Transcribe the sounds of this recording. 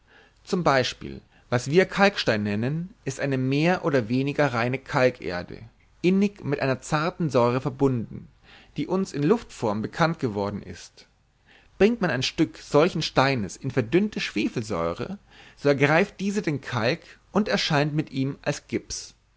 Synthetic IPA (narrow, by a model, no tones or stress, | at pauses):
t͡sʊmbaɪʃpḭːl | vasv̥iːɐkʰalkʃtaɪnːɛnənʔɪstʔaɪnəmeːɐʔoːdɐveːnɪɡɐʁaɪnəkʰalkʰʔḛːɐdə̰ | ʔɪnɪkmɪtʔa̰ɪnɐt͡saɐtn̩zɔʏʁ̞əfɛɐbʊndn̩ | d̥iːʔʊnsɪnlʊftfɔɐmbəkʰant̚ɡ̥əvɔɐdn̩ɪ̰st | b̥ʁɪŋktmanaɪnʃtʏkz̥ɔlçn̩ʃtaɪnəsɪnfɛɐdʏntəʃv̥eːfl̩zɔ̰ʏʁə̰ | z̥oːɛɐɡʁaɪft̚d̥iːzədeːnkʰalk | ʔʊntɛɐʃaɪntmɪtʔiːmʔalsɡ̥ɪps